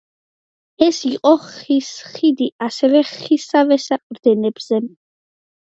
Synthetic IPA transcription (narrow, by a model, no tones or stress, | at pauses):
ɛsiqʼɔχisχid̪iʔasɛvɛχisavɛsapʼɾd̪ɛnɛb̥z̥ɛ